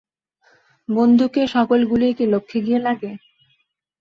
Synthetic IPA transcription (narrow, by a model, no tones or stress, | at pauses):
bond̪ʱukeʃɔkolɡuliekilokʰːeɡ̪ijelaɡe